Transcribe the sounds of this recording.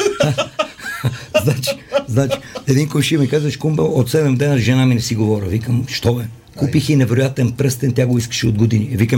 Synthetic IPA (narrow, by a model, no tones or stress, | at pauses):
znat͡ʃi̥znat͡ʃi̥ɛd̪inkonʃimikazvɐʃkumbəot̪sɛd̪ɛmd̪ɛnɐɾʒɛnaminɛsiɡovɔɾəvikəmʃt̪ɔɛ | kupixinɛvɛɾojat̪ɛnpɾəst̪ɛnt̪ʲjaɡoiskə̥ʃɛod̪ɡod̪inivikə